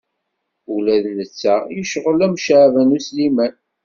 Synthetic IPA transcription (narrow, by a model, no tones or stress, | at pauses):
ulæðlət͡sːæjəʃʁəlæmʃʕvænuslimæn